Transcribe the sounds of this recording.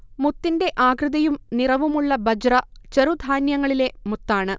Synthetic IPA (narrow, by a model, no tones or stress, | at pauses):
mut̪ːinde̞ʔaːɡrɨðɐjumnirɐʋumuɭːɐbɐd͡ʑrɐt͡ɕɐɾud̪ʱaːnjɐŋːɐɭile̞mut̪ːaːɳɨ